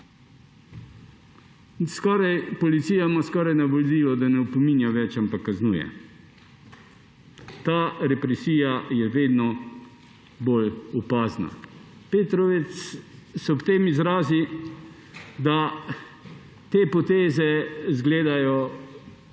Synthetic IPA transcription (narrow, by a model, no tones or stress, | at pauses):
skɔːɾajpɔlit̪siːjamaskɔːɾajnabolliːlɔd̪anɛupɔmiːnjaʋɛt͡ʃampakːaznuːjɛ̰ | t̪aːɾɛpɾɛsiːjajɛʋeːd̪nɔ | bolupaːzna̰peːt̪ɾɔʋɛt̪ssɛɔpt̪eːmizɾaːzi | d̪a | t̪eːpɔt̪eːzɛzɡleːd̪ajɔ